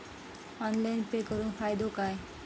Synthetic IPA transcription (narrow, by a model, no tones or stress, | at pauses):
ɔnlajnpekɔɾunfʰajd̪okaj